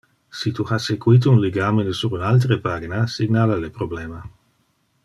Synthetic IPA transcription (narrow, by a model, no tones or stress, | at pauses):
sit̪uhasekuit̪ounleɡaːmenesuɾunalt̪̬ɾepaɡinasiɡnalalepɾoblɛːma